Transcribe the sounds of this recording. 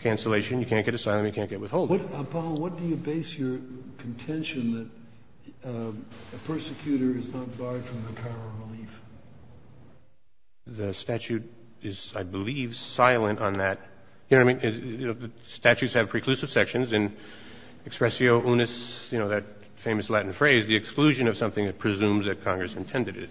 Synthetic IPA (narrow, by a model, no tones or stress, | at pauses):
kʰæ̃nsəleɪʃɨ̃njɨkʰæ̃n̚ɡ̥ɛɾɨsaɪlˠə̃mjɨkʰæ̃n̚ɡ̥ɛt̚wɨð̥hoʊlˠdʌpʰɑlˠwʌt̚d̥ɨjɨbeɪsjə˞kʰn̩tʰɛ̃nʃɨ̃nðɨɾ | ɨpʰɜ˞sɨkʰj̥ʉɾə˞ɨznət̚bɑɹd̥fɹʌ̃mðɨkʰɑɹəɹəlif | ðɨstæt͡ʃʉɾ | ɪz̥aɪbəliv̥saɪlˠə̃ntn̩ðɨt̚ | jɨnoʊaɪmĩnjoʊðɨ | stæt͡ʃʉtshɨv̥pʰɹ̥ikʰl̥ʉsɨv̥sɛkʃɨ̃nzɨ̃n | ɨkspɹɛsioʊʔunɨsjɨnoʊðɨt̚ | fẽɪ̃mɨslæʔn̩fɹeɪzðiɨksklʉʒɨ̃nʌv̥sʌ̃mθɪ̃ŋðɨt̚pʰɹ̥ɨzũmzðɨt̚kʰɑ̃ŋɡɹɨsɨ̃ntʰɛ̃ndɨɾɪ̰̥